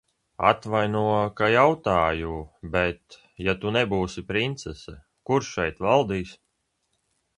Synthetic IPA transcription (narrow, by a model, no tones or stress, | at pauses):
a̰t̪vajnuɔkajawt̪aːjubet̪ | jat̪unɛbuːsipɾint̪sɛsɛ | kuɾʃʃɛjt̪valˠd̪iːs